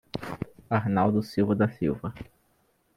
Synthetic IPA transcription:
aɾnawd̪ʊsiwvɐd̪ɐsiwvɐ

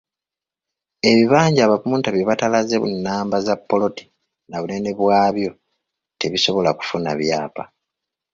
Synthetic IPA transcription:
e̞βiβaːɲɟaːβapumuːntaβjoβatalazeβṵnːaːmbazapːo̞lo̞ti̥ | naβune̞ne̞βwaːβjo̞ | te̞βiso̞βo̞laku̥funa̰βjaːpa̰

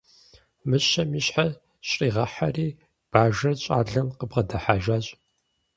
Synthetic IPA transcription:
mɨɕɐmiɕħa | ɕʼriːʁɐħariː | b̥aːʒɐrɕʼa̰ːɮɐmqəbʁɐdɐħaːʒaːɕʼ

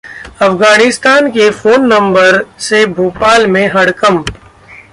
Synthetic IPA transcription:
ɐfɡaːnɪst̪aːnkefoːnːɐ̃mbəɾsebʱoːpaːlmẽɦɐɽkəm

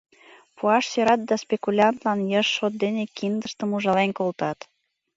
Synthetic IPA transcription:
puɑʃsøɾɑt̪̚d̪ɑspekulʲɑnt̪lɑnjəʃːot̪̚d̪enekind̪əʃt̪əmuʒɑlenkolt̪ɑt̪

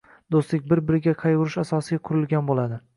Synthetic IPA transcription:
d̪ost̪ɪk̚ʲbɪɾbɪɾɪɡʲaqʰɑjʊɾɪʃasɒsɪɡʲaqʰʊɾɪlˠɡʲanbolˠad̪ɪ

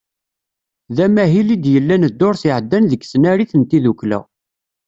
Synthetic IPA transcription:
ðæmæɦilid̪jəlːænəd̪ːʊɾθiʕəd̪ːænðəkːsnæɾiθənt̪iðuklæ̰

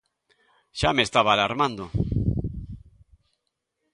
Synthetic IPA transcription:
ʃamest̪aβaːlaɾmãnd̪o

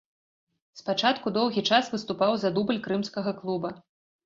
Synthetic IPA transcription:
spat͡ʂat̪kud̪ɔwɣʲit͡ʂasvɨst̪upawzad̪ubɨlʲkɾɨmskɐɣɐklˠubɐ

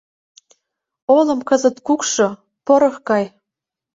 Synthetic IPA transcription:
olɤ̆mkɤ̆zə̆t̪kukʃŏ | poɾɤ̆xkɑj

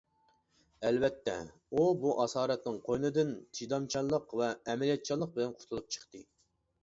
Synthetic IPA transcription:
ɛlvɛt̪ːɛ̰ | ubuʔɑsɑːɾɛt̪nɪŋqʰojnɨd̪ɪnt̪ʰid̪ɑmt͡ʃʰɑlˠːəqvɛːmɛlijɛt̪̚t͡ʃʰɑlˠːəq̚bɪlɛnqʰʊt̪ʰulˠup̚t͡ʃʰə̥χt̪ɨ

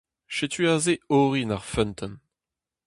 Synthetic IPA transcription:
ʃet̪ʰyazeoːʁinaʁfœnt̪ʰən

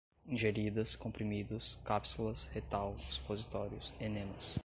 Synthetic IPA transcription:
ĩʒeɾid̪ɐskõmpɾimid̪ʊskapsulɐshet̪awispozit̪ɔɾjʊsenẽmɐs

